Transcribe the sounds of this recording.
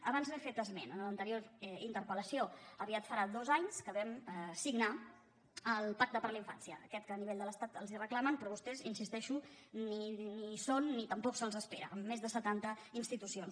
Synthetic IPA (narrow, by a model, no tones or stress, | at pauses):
əβanzβefet̪əzmenənlənt̪əɾioɾint̪əɾpələsioəβiat̪fəɾad̪ozaɲskəβɛmsiɡna | əlˠpak̚t̪əpəɾləiɱfa̰nsjəəkɛt̪̚kəːniβeʎd̪ələst̪at̪əlˠzirəklamənpɾɔβust̪ɛzinsist̪ɛʃu | ninisonːit̪əmpɔksəlˠzəspeɾə̰ʔːmːezðəsət̪ant̪əinst̪it̪usions